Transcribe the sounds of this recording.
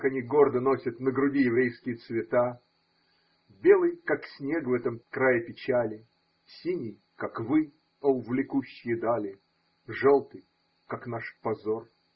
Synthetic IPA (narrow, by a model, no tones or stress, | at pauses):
kɐnʲiɡo̞rd̪əno̞sʲət̪nəɡɾʊdʲijɪvɾʲejskʲɪjət̪svʲɪt̪a | bʲe̞lˠɨjkaksʲnʲe̞kvɛt̪əmkɾajɪpʲɪt͡ɕalʲɪ | sʲinʲɪj | kakvɨ | oʊvlʲɪkuɕːɪjəd̪alʲɪ | ʐolˠt̪ɨj | kaknaʂpɐzo̞r